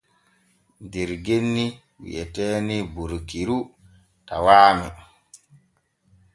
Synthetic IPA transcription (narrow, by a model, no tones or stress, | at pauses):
dɛɾɡenːi | wḭʔɛtɛːnibuɾkiɾu | tawaːmɛ